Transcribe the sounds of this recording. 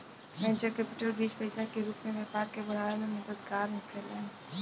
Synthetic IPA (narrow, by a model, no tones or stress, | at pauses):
ʋɛ̃ːnt͡ʃəɾkɛːpɪʈəlbiːspəɪsakeɾuːkmẽʋeːpaːɾkebɐɽ̤aːnemẽmɐd̪əd̪ɡaːɾmʊkʰɪlɛ̃ː